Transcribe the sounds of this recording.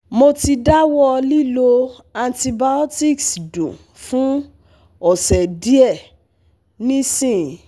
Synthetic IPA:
mo˧ti˧da˦wɔ˦li˦lo˧ | a˧nti˧ba˧ɔ˦ti˦˨ksdṵ̃˨ | fũ˦ | ɔ˨sɛ˨di˦ɛ˦˨ | nĩ˦sĩ˦˨

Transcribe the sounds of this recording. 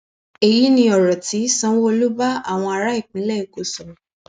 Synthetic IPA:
e˨ji˨˦nĩ˧ɔ˨ɾɔ˨ti˨˦sɔ̃˦wo˧lu˦ba˦a˦˨w̃ɔ̃˧a˧ɾa˨˦i˦˨k͡pĩ˨˦lɛ˦i˦˨ko˨sɔ˨

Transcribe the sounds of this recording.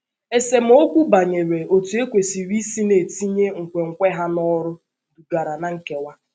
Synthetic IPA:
e˨se˨m̩˦o˦kʷu˦ba˨ɲe˨ɾe˨o˨tu˨e˦kʷe˨si˨ɾi˦si˦ne˨ti˦ɲe˦ŋ̩˨kʷe˨ŋ̩˨kʷe˦ɦa˦nɔ˦ɾʊ˦ | du˨da˨ɾa˨na˨ŋ̩˨ke˦wa˦

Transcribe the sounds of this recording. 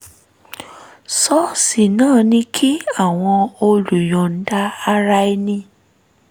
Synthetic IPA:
sɔ˦si˨nãː˦˨nĩ˧kʰi˦a˦˨w̃ɔ̃˧o˧lu˨j̃ɔ̃˨n̩˦da˧a˧ɾa˧i˧˦nĩ˧

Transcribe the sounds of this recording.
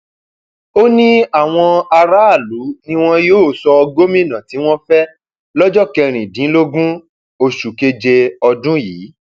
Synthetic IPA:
o˦nĩ˦a˨w̃ɔ̃˧a˧ɾa˦a˦˨lu˨˦nĩ˦w̃ɔ̃˦joː˦˨sɔ˧ɡo˦mĩ˦˨nã˨ti˨˦w̃ɔ̃˦fɛ˦ | lɔ˦d͡ʒɔ˦kɛ˧ɾ̃ĩ˨dĩ˨˦lo˦ɡũ˦ | o˧ʃu˨ke˧d͡ʒe˧ɔ˧dũ˦jiː˨˦

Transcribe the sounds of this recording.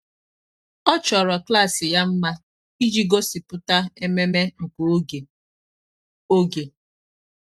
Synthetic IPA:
ɔ˦t͡ʃɔ˨ɾɔ˨kla˦˨sɪ˨ja˦m̩˦ma˦ | i˦d͡ʒi˦ɡo˦si˨pʊ˦ta˦e˦me˦me˦ŋ̩˨kʷo˨o˦ɡe˨ | o˦ɡe˨

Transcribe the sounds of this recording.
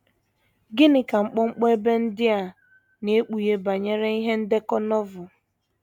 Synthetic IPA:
ɡɪ˦nɪ˨ka˨ŋ͡m̩˨k͡pɔ˦ŋ͡m̩˦k͡pɔ˦e˦be˦n̩˦dɪ˦a˨ | ne˨˦k͡pu˨je˦ba˨ɲe˦ɾe˦i˦ɦe˦n̩˦de˦kɔ˦nɔ˦vʊ˨

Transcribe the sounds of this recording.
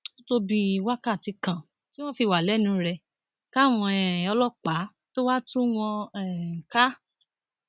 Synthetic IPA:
o˦to˧bi˧wa˦ka˦˨ti˧kã˨ | ti˦w̃ɔ̃˦fi˧˨wa˨lɛ˨˦nũ˧˦ɾɛ˧ | ka˦˨w̃ɔ̃˧ɛ˨ɔ˧lɔ˦˨k͡pa˨˦ | to˦wa˦tũ˦w̃ɔ̃˧ɛ˦˨ka˦

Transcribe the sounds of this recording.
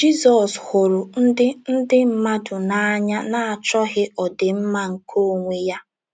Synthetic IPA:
d͡ʒi˦zɔ˨shʊ˨ɾʊ˨n̩˦dɪ˦n̩˦dɪ˦m̩˦ma˦dʊ˨na˦˨a˦ɲa˦na˨a˨t͡ʃɔ˦ɦɪ˦ɔ˨dɪ˨m̩˦ma˦ŋ̩˨kʰo˦˨ŋʷe˦ja˦

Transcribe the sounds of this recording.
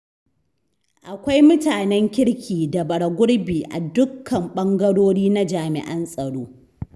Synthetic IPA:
ʔa˨kʷa˦jmʊ˦taː˨nɛ˦ŋkʲɪ˦ɽkʲʰiː˨da˨bɐ˨ɽɐ˨ɡʷʊ˦ɽbiː˨ʔa̰˨dʊ˦kʰːɐ˨mɓɐ˦ŋɡɐ˦ɽoː˦ɽiː˦na˦d͡ʒaː˨mɪ̰˨ʔɐ˦nsʼɐ˨ɽoː˦

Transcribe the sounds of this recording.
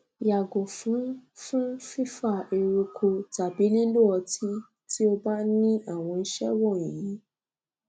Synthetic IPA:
ja˨ɡo˨fũ˨˦fũ˦fi˦fa˦˨e˨ɾo˧kʰo˧ta˨bi˨˦li˦lu˦ɔ˧ti˦ | ti˦o˧ba˦nĩ˦a˦˨w̃ɔ̃˧n̩˦ʃɛ˦wɔ˦˨ĩ˨ji˨˦

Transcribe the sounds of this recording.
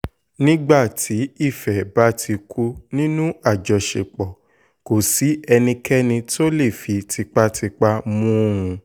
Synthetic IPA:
nĩ˦ɡ͡ba˦˨tʰi˨˦i˦˨fɛ˨ba˦tʰi˧kʰu˦nĩ˦nũ˦a˦˨d͡ʒɔ˨˧ʃḛ˨k͡pɔ˨ | ko˨si˨˦ɛ˧nĩ˧kʰɛ˦nĩ˧to˦le˦˨fi˧ti˧k͡pa˦ti˧k͡pa˦mũ˦ũ˧

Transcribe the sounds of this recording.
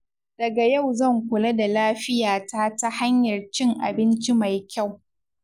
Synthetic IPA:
d̥ɐ˨ɡa˨ja˦˨wzɐ˦˨ŋkʷʊ˨lɐ˦da˨laː˦ɸɪ˦jaː˨taː˦ta˦ha˦ɲjɐ˨rt͡ʃɪ˦ŋʔa̰˨bɪ˦nt͡ʃi˦ma˨jkʲa˦˨w

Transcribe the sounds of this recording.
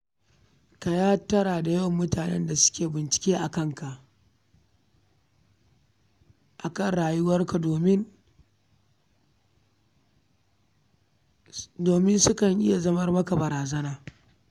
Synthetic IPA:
ka˨jaː˦tɐ˦ɽaː˨da˨jɐ˦wmːʊ˦taː˨nɛ̰˦nda˨sʊ̥˦kʲeː˨bɪ˨nt͡ʃɪ̥˨kʲeː˦ʔa˨kɐ˦ŋka˨ʔ | ʔa˨kɐ˦˨nɽaː˨jʊ˦wɐ˦rka˨doː˨mɪ˦n | doː˨mɪ˦nsʊ˦kɐ˨ŋʔɪ˦ja˨zɐ˦mɐ˦rmɐ˦ka˨bɐ˨ɾaː˨zɐ˦naː˨

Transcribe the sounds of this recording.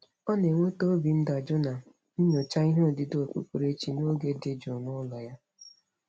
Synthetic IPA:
ɔ˦ne˨ŋʷe˦to˦bi˨n̩˦dɔ˨d͡ʒʊ˦na˨ | n̩˦ɲo˨t͡ʃa˦i˦ɦe˦˨dɪ˨do˨k͡pṵ˦k͡pu˨ɾe˦t͡ʃi˨no˦ɡe˦de˨d͡ʒo˨nʊ˦lɔ˨ja˦

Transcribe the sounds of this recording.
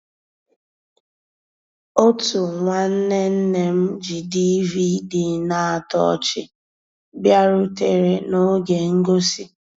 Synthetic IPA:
o˦tu˨ŋʷa˨n̩˦ne˦n̩˦ne˦m̩˦d͡ʒi˨di˦vi˦di˨na˦˨a˨tɔ̰˦˨t͡ʃɪ̰˦ | bja˦ɾʊ˦te˨ɾe˨no˦ɡe˨ŋ̩˦ɡo˦si˨

